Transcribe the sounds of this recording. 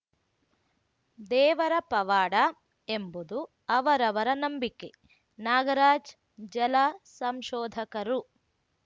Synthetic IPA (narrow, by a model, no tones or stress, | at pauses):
d̪ɛːʋɐɾɐpɐʋaːɽɐ | embud̪u | ɐʋɐɾɐʋɐɾɐnɐmbikːe | naːɡɐɾaːd͡ʒ | d͡ʒɐlasɐmʃɔːd̪ʱɐkɐɾu